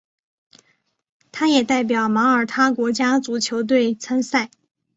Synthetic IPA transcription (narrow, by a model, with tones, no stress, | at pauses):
t̪ʰa˥jɛ˨˩t̪a˥˩ɪp̬jɑ˨˩ʊmɑ˧˥ə˞˨˩t̪ʰa˥kwɔ˧˥t͡ɕja˥t͡su˨˩t͡ɕʰjo˧˥ʊt̪̬we˥˩ɪt͡sʰa˥nsa˥˩ɪ